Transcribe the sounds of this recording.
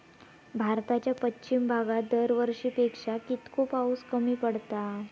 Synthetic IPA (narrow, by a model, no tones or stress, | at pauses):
bʱaɾt̪at͡ɕjapətːɕimbʱaɡat̪̚d̪əɾʋəɾʂiːpekʂakit̪kopauːskəmiːpəɽt̪a